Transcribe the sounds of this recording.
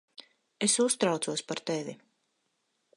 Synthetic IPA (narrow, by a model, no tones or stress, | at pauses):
esust̪ɾawt̪uɔspaɾt̪evi